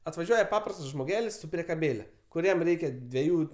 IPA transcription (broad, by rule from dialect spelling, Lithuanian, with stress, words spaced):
ɐtʋɐˈʒʲuɔjɛ ˈpɑːprɐstɐs ʒmoːˈɡʲæːlʲɪs sʊ pʲrʲiɛkɐˈbʲeːlʲɛ kʊˈrʲiɛm ˈrʲɛɪkʲɛ dʲʋʲɛˈjuː